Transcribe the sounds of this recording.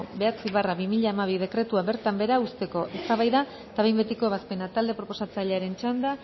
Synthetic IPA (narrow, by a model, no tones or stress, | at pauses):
be̞at͡siβaraβimiʎaemaβ̞ið̞e̞kɾe̞t̪uaβe̞ɾt̪ambe̞ɾaust̪e̞ko̞ʔe̞st̪aβajða | t̪aβejmbe̞t̪iko̞β̞aspe̞nat̪ald̪e̞pɾo̞po̞sat͡saʎeaɾe̞nt͡ʃand̪a